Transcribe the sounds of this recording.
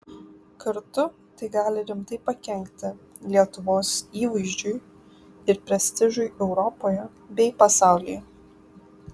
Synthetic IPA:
kɐɾt̪ʊ | t̪ɐɪɡɑːlʲɪɾʲɪmt̪ɐɪpɐkʲɛŋʲkʲt̪ʲɪ | lʲiɛt̪ʊʋoːsiːʋɐɪʒʲd͡ʒʲʊɪ | ɪɾpʲɾʲɛsʲt̪ʲɪʒʊɪʔɛʊɾɔpoːjɛ | bʲɛɪpɐsɑˑʊlʲɪːj

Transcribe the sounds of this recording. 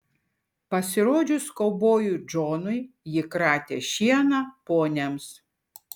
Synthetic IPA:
pɐsʲɪɾoːd͡ʒʲʊskɔʊboːjud͡ʒoːnʊjjɪkɾɑːt̪ʲḛːʃʲiɛnɐpoːnʲɛms

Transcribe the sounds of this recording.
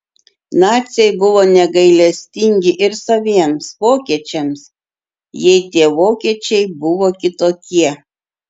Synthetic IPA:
nɑːt̪sʲɛɪbʊʋoːnʲɛɡɐɪlʲɛsʲt̪ʲɪŋʲɡʲɪʔɪɾsɐʋʲiɛmsʋoːkʲiɛt͡ʃʲɛms | jɛɪt̪ʲiɛʋoːkʲiɛt͡ʃʲɛɪbʊʋoːkʲɪt̪oːkʲiɛ

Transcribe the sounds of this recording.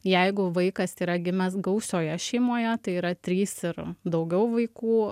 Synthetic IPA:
jɛɪɡʊʋɐɪkɐsiːɾɐɡʲɪmʲɛsɡɐʊsʲoːjɛʃʲɛɪmoːjɛt̪ɐɪiːɾɐt̪ʲɾʲiːsɪɾd̪ɐʊɡʲɛʊʋɐɪkuː

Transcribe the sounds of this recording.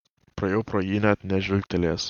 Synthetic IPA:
pɾɐjɛʊpɾoːjiːnʲɛt̪nʲɛʒʲʊlʲkʲt̪ʲɛlʲeːs

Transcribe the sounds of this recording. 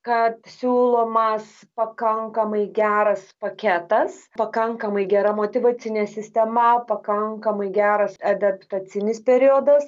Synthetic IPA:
kɐt̪sʲuːlˠoːmɐs | pɐkɐŋkɐmɐɪɡʲæːɾɐspɐkʲæt̪ɐspɐkɐŋkɐmɐɪɡʲɛɾɐmoːt̪ʲɪʋɐːt͡s̪ʲɪnʲeːsʲɪsʲt̪ʲɛmɐpɐkɐŋkɐmɐɪɡʲæːɾɐsɐd̪ɐpt̪ɐt͡s̪ʲɪnʲɪspʲɛɾʲioːd̪ɐs

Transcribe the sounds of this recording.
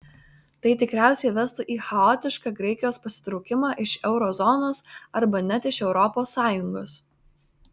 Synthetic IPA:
t̪ɐɪt̪ʲɪkɾʲæˑʊsʲɛɪʋʲɛst̪uʔiːxɐɔːt̪ʲɪʃkɑɡɾɛɪkʲɪjoːspɐsʲɪ̥t̪ɾɒʊkʲɪmɑːʔɪʃɛʊɾɔzɔnoːsɐɾbɐnʲɛt̪ʲɪʃɛʊɾɔpoːsːɑːjʊŋɡoːs

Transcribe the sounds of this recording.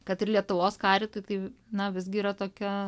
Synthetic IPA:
kɐt̪ɪrlʲiɛt̪ʊʋoːskɑːɾʲɪt̪ojt̪ɐɪnɐʋʲɪzɡʲɪiːɾɐt̪oːkʲɛ

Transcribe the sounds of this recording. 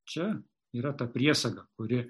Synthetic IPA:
t͡ʃʲɛ | iːɾɐt̪ɑpʲɾʲiɛsɐɡɐkʊɾʲɪ

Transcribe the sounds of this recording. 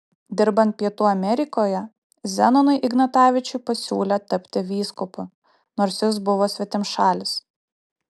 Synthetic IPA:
d̪ʲɪɾbɐnt̪̚pʲiɛt̪uːɐmʲɛɾʲɪkoːjɛ | zʲɛnɔnʊɪʔɪɡnɐt̪ɑːʋʲɪt͡ʃʲʊɪpɐsʲuːlʲet̪ɐpʲt̪ʲɪʋʲiːskʊpʊ | noːɾʲsʲjɪs̬bʊʋoːsʲʋʲɛt̪ʲɪmʃɑːlʲɪs

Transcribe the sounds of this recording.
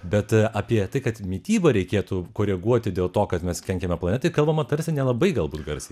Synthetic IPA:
bʲɛt̪ɑːpʲiɛt̪ɐɪkɐt̪mʲiːt̪ʲiːbɐɾʲɛɪkʲeːt̪uːkoːɾʲɛɡuɔt̪ʲɪd̪ʲeːlˠt̪oːkɐt̪mʲɛskʲɛŋʲkʲɛmʲɛplˠɐnʲɛt̪ɐɪkɐlˠbɐmɐt̪ɐɾʲsʲɪnʲɛlˠɐbɐɪɡɐlˠbuːt̪ɡɐrʲsʲɛɪ

